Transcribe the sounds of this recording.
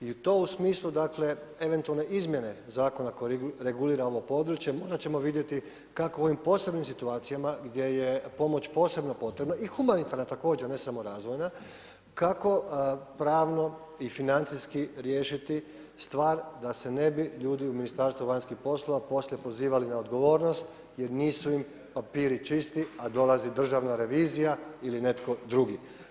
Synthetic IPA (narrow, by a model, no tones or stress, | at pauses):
iut̪o̞ːusmiːslˠud̪akle̞e̞ʋe̞nt̪ualˠne̞ʔizmje̞ne̞zaːko̞nakoɾe̞ɡuliːɾao̞ʋopo̞d̪ɾut͡ʃje̞mo̞ːɾat͡ɕe̞mo̞ʋid̪je̞t̪i | kakoo̞ʋimpo̞ːse̞bnimsit̪uaːt̪sijamaɡd̪je̞jepo̞mo̞t͡ɕpo̞ːse̞bnopo̞t̪ɾe̞bnaʔixumanit̪aɾnat̪ako̞ːd͡ʒene̞samo̞ɾaːzʋo̞jna | kako̞pɾaːʋno̞ | ifinant̪siskiɾje̞ːʃit̪i | st̪ʋaːɾd̪ase̞ne̞biʎuːd̪iuminist̪aːɾst̪ʋuʋaɲskixpo̞slˠoʋapo̞slʲe̞po̞ziːʋalinaod̪ɡo̞ʋo̞ːɾno̞st̪ | jeɾniːsuim | papiːɾit͡ʃist̪iad̪o̞lazid̪r̩ʒaʋnaɾe̞ʋiːzijailine̞t̪ko̞d̪ɾuɡi